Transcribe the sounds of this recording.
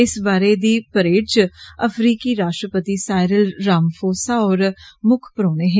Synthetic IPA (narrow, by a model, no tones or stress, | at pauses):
ɪsbaːɾeːd̪iːpəɾeːʈt͡ʃəpʰɾiːkiːɾaːʃʈɾəpət̪iːsaːɪɾəlɾaːmfʰoːsaːɔːɾmʊkʰpəɾoːneːɦeː